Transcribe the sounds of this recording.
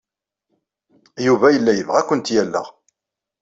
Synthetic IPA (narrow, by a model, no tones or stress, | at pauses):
juvæjəlːæjəvʁækʷːənt̪jælːə̰ʁ